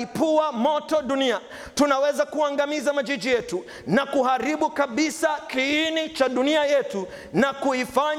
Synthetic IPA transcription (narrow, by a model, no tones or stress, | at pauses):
ipuwamɔtɔɗunia | tunawɛzakuaŋɡamizamad͡ʒid͡ʒijɛtu | nakuɦaɾiɓukaɓisakiinit͡ʃaɗuniajɛtu | nakuifaɲ